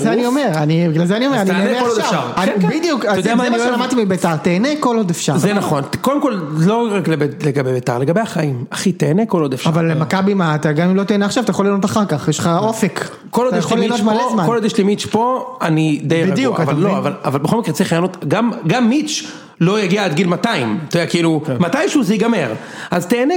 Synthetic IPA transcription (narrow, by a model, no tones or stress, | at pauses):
zeaniome̞ʁanibiɡlalzeanio̞me̞ʁanieeolʃavaʁaibid̪ijukaoamamaʃlamad̚t̪imibet̪aʁt̪eːneko̞lo̞d̪efʃazenaχo̞nkod̪emko̞lloʁaklebeleɡabebet̪aʁle̞ɡabeaχaimaχit̪eːneko̞lod̪efʃavalːemakabimaːt̪aɡamimlo̞t̪eːneaχʃavat̪ajaχolino̞t̪aχaʁkaχjeʃlχaofek | kolodajxlolːiinot̪malezmaolod̪jɛʃlimit͡ʃpo̞anid̪ejʁbiaɡdijukvalloavalavalbexomikʁet͡sʁiχajanot̪ɡamɡamːit͡ʃ | lo̞jaɡiaad̪̚ɡilmat̪aimat̪odeɛakiilumat̪ajmʃeuzeiɡameʁ | ʔazt̪eːne